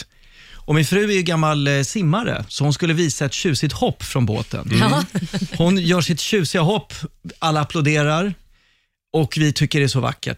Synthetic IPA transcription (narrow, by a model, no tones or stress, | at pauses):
ɔmɪnfɾʉ̟ːæjɵɡamːalsɪmːaɾə̰sɔhʊnskɵlːəviːsaɛt̪ɕʉ̟ːsɪt̪hɔpːfɾɔnbo̰ːt̪ʰə̰n | hʊnjœːʂɪt̪ɕʉ̟ːsɪaɦɔpːalːaːpʰlʊd̪eːɾaɾ | ɔkvɪt̪ʰʏkːəɖɛæsɔva̰kːə̰ʈ